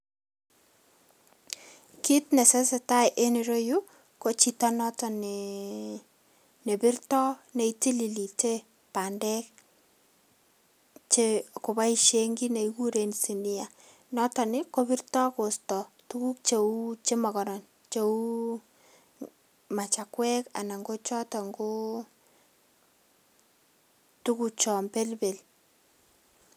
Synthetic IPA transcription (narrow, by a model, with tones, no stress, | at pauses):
ki˦tnɛ˨se˦se˨ta˦jʔe˦ni˨ɾo˦ju˦ | ko˦t͡ʃi˦ta˦nɔ˦tɔ˨ne˨ | ne˨bi˦rtɔ˦ne˨iti˦li˨li˨te˦ | pa˨ndɛ˦k̚ | t͡ʃe˦ko˨ba˦i˨ʃe˦ŋɡi˦ne˨iku˦ɾe˨nsi˨ni˦a˨ | nɔ˦tɔ˨nɪ˦ko˦bi˦rtɔ˦ko˨stɔ˨ | tu˦ku˦k̚t͡ʃe˨u˦t͡ʃe˦mɔ˨kɔ˨ɾɔ˨n | t͡ʃe˨u˦ | ma˨t͡ʃa˨kwɛ˦ka̰˨na˨ŋɡo˦t͡ʃɔ˦tɔ˨ŋɡo˦ | tu˦ku˦t͡ʃɔ˨mpe˦lbe˨l